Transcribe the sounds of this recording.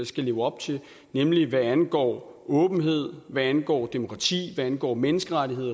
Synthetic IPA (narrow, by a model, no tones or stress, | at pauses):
sɡ̥æle̝ːʊɒ̽b̥̚t͡sʰe̝ | nemliʋæænɡ̥ɒ̰ːɔ̽ːb̥n̩ɦe̝ð̞̰ˠʋæænɡ̥ɒ̰ːd̥e̝mo̝kʰʁɑ̈t͡sʰḭːʋæænɡ̥ɒ̰ːmenəsɡ̥əʁadiɦe̝ð̰ˠɐ